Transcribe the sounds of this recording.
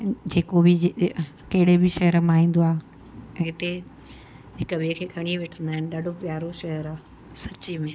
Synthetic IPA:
d͡ʑeːkobɪ | kɐɦɪɽebɪʃɐɦəɾmãːɦĩːn̆d̪oaː | ɦɪt̪e | ɦɪkəʋeːkʰeːkʰɐɽ̃iʋeʈʰə̃nd̪aːɦɪnɪɗɐɖʱopjaːɾoʃɐɦəɾaː | sɐt͡ɕimẽ

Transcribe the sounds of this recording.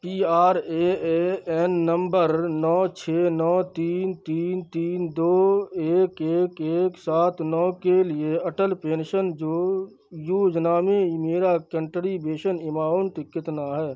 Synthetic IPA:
piːaːɾeeːɛnːə̃mbəɾnɔːt͡ʃʰeːnɔːt̪iːnt̪iːnt̪iːnd̪oːeːkeːkeːksaːt̪ʰnɔːkelieɐʈəlpẽːnʃənd͡ʒoː | juːd͡ʒnaːmemeːɾakə̃ɳʈəɾibeːʃənɪmaːont̪ɪkːɪt̪naɦɛː

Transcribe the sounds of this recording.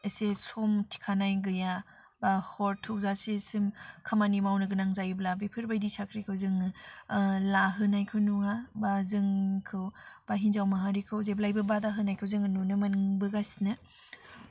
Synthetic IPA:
esesɔmtʰi̥kʰanajɡɯja | bahɔɾtʰuzasesɯmkʰamanimawnɯɡɯnaŋzajblabepʰɯɾbajdisʰakʰɾikʰɯwzɯŋɯ | laɦɯnajkʰɯwnuabazɯŋkʰɯwb̥aɦinzawmaɦaɾikʰɯwzeblajbɯbadaɦɯnajkʰɯwzɯŋanunɯmanɯŋbɯɡasinɯ

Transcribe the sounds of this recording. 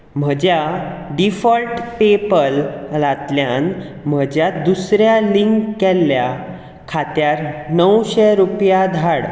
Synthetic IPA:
m̤əd͡ʑjaɖifəlʈpepəllat̪ljãn | m̤əd͡ʑjad̪usɾjaliŋkːɛlːja | kʰat̪jaɾnəwɕeɾupjad̪ʱaɽ

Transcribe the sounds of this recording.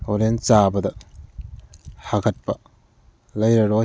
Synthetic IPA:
oɾent͡ʃabɐdɐ | haɡɐt̚pɐ | lɐjɾɐɾo

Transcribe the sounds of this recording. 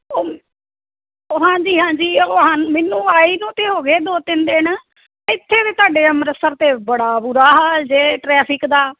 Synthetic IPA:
oː | oːɦãːɲd͡ʒiːɦãːɲd͡ʒiːoaːmɛːnːũːaːiːnũːt̪eːɦoːɡeːd̪oːt̪ɪnd̪eːn | ɪt̪ʰːeːt̪eːt̪aːɖeːəmɾəsəɾt̪eːbəɽaːbuɾaːɦaːld͡ʒeːʈɾɛːpʰɪkd̪aː

